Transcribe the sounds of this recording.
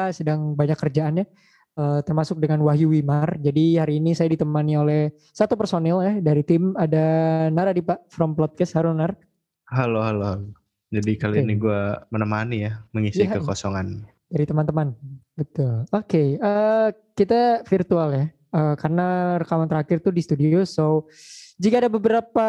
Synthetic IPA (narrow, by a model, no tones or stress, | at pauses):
sədaŋbaɲakːərd͡ʒaanɲa | ət̪ərmasʊk̚dəŋanwaɦjuwimard͡ʒadihaɾiːnisajadit̪əmaniolɛh | sat̪upərsonɛljadaɾit̪ɪmadanaɾadipaʔfɾɔmplɔt̪̚kast̪haɾʊnar | ɦaloɦaloɦalo | d͡ʒadikaloiniɡuamənəmanijaməŋisɪəkosɔŋan | d̥aɾit̪əmant̪əmanbət̪ʊlokeə | kit̪afirt̪ualja | əkarənaɾəkamant̪əɾakɪrt̪udist̪udioso | d͡ʒikaːdabəbəɾapa